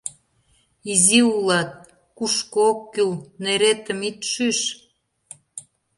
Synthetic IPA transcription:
iziulɑt̪̚ | kuʃkookːylneɾet̪ə̆mit̪ʃyʃ

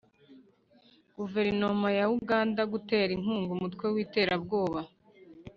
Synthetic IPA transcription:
ɡ̥uve̞ɾino̞majauɡaːndaɡute̞ːɾiŋ̥uːŋɡumutwe̞wiːte̞ːɾabɡo̞ːβa

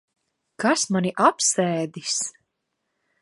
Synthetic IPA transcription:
kasmaniʔapsɛːd̪is

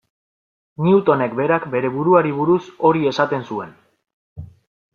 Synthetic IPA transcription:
niut̪o̞ne̞kbe̞ɾakbe̞ɾe̞βuɾuaɾiβ̞uɾuso̞ɾie̞sat̪e̞nsue̞n

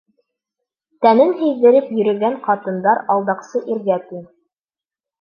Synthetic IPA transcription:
t̪ænɘnɦɘ̆jðɘ̆ɾɘpjɵ̆ɾɵ̆ɡæɴqɑt̪ɤ̆nd̪ɑɾɑlˠd̪ɑqsɤʔiɾɡæt̪iŋ

